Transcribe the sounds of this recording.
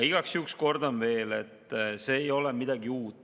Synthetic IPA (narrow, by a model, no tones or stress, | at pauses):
iɡ̥ɑksyksko̞rd̪onve̞ːle̞t̪ːˑse̞ːjo̞lɛmid̪̥ɑɡiuːt̪ˑ